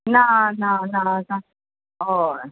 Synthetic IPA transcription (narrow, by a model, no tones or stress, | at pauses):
nanananã | o